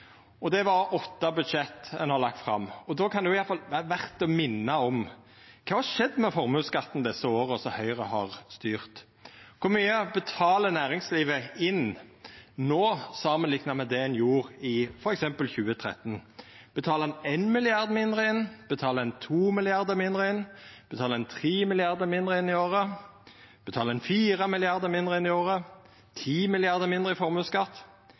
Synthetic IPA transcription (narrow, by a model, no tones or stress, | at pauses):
ɔd̪ɛʋɑɾɔt̪ːɑbʉd̪ʃɛt̪ːɛnhɑɾlɑk̚t̪fɾɑ̰mːɔd̪ɔkʰɑnɛjʊɪjɑt̪fɑlʋæʁt̪ɔmɪnːɑɔm | kʰɑːhɑʂɛd̪ːmɛfɔɾmʉːskɑt̪ːn̩d̪ɛsːəoːɾəɔsɔhœʏɾəhɑʁst̪yːʁt̪ | kʰʊɾmyːəbət̪ʰɑːlənæːɾɪŋsliːʋəɪn | noːsɑːmənlɪknɑmɛd̪ɛɛnjuːɾɪfɔɾɛksɛmpəlçʉːət̪ʰʁɛ̰t̪nb̥ət̪ʰɑːləɛnenmɪlɪɑʁd̪mɪnd̪ʁəɪnb̥ət̪ʰɑːləɛnt̪ʰuːmɪlɪɑʁd̪əmɪnd̪ʁəɪnb̥ət̪ʰɑːləɛnt̪ʰʁiːmɪlɪɑʁd̪əmɪnd̪ɾəɪnːɪoːɾə | b̥ət̪ʰɑːləɛnfiːʁəmɪlɪɑʁd̪əmɪnd̪ʁəɪnːɪoːɾə | t̪ʰiːmɪlɪɑʁd̪əmɪnd̪ʁəɪfɔɾmʉːskɑt̪ː